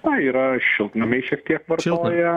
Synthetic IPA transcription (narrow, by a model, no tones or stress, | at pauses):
ɐiːɾɐʃʲɪlˠt̪nɐmʲɛɪʃʲiɛk̚t̪ʲiɛkʋɐrt̪ˠoːjɛ